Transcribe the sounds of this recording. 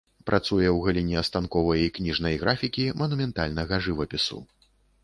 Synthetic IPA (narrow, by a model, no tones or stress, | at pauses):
pɾʔat̪sujɛwɣɐlʲinʲɛɐst̪ankɔvɐjiknʲiʐnɐjɣɾʔafʲikʲimɐnumʲɛnt̪alʲnɐɣɐʐɨvɐpʲisṵ